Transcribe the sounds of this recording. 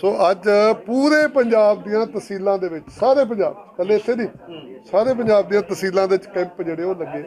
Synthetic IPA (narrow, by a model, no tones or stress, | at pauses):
soːʔəd͡ʒpuːɾeːpəɲd͡ʒaːb̚d̪ijãːt̪əsiːlãːd̪eːʋɪt͡ʃsaːɾeːp̬əɲd͡ʒa̰ːb | kəlːeːɪt̪ʰːeːnĩː | saːɾeːp̬əɲd͡ʒaːbd̪ijãːt̪əsiːlãːd̪eːʋɪt͡ʃkɛ̃ːmpd͡ʒeːɽeːoːləɡːeː